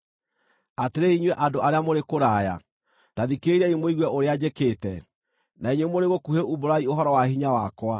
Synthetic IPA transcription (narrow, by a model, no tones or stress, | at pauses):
ateɾeiɲwɛʔadoʔaɾeamoɾekoɾaja̰ | taðikeiɾɛimwoiɣwɛʔoɾead͡ʑekeːtɛ | naiɲwemoɾeɣokuheʔuboɾaioɦɔɾɔwahiɲawakwa